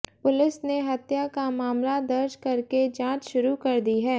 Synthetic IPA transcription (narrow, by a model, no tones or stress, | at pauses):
pʊlɪsneɦɐt̪jakamaːmlad̪ɐɾd͡ʒkɐɾked͡ʒãːt͡ʃʃʊɾukɐɾd̪iɦɛː